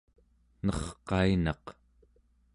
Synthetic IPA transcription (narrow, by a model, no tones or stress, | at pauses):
nʌχqɑinɑq